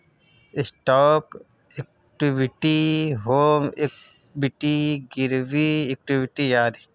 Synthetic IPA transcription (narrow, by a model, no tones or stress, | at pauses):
ɪsʈɔːk | ek̚ | ʈibɪʈiɦoːmek | biʈiɡɪɾʋiek̚ʈiʋɪʈijaːd̪i